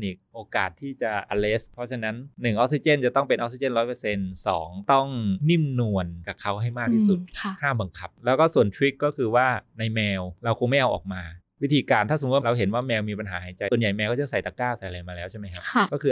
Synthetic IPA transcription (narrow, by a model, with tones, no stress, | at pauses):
niː˨˩k̚ʔoː˧ka̰ː˨˩t̪ʰːiː˥˩t͡ɕa˨˩ʔa˧le˦˥spʰɔ˦˥t͡ɕʰa˧na˦˥nːɯ˨˩ŋʔɔ˦˥k̚si˧t͡ɕe˥˩nt͡ɕa˨˩t̪ɔ˥˩ŋpe˧nʔɔ˦˥k̚si˧t͡ɕe˥˩nɾɔː˦˥jpɤː˧se˧nsɔ̰ː˩˦ŋt̪ɔ˥˩ŋni˥˩ŋnu˧ənka˨˩kʰa˦˥wɦa˥˩jmaː˥˩kt̪ʰiː˥˩su˨˩t̪̚ʰa˧˩haː˥˩ba˧ŋkʰa˨˩p̚lɛː˦˥wkɔː˥˩su˨˩ənt̪ʰɾwi˦˥kːɔː˥˩kʰɯː˧waː˥˩na˧jmɛː˧wɾa˧wkʰo˧ŋma˥˩jʔa˧wʔɔ̰ː˨˩k̚maː˧ | wi˦˥t̪ʰiː˧kaː˧nt̪ʰaː˥˩so˩˦t̪̚wa˥˧ɾa˧wɦe˩˦nwaː˥˩mɛː˧wmiː˧pa˧nɦaː˩˦ɦa˨˩˦jt͡ɕa˧jsu˨˩ənja˨˩jmɛː˧wkɔː˥˩t͡ɕa˧˩sa˨˩jt̪aː˧˩kaː˥˩wsa˨˩˦jʔa˧jmaː˧lɛː˦wt͡ɕʰa˥˩ma˦jkʰa˦˥˧kɔː˥˩kʰɯː˧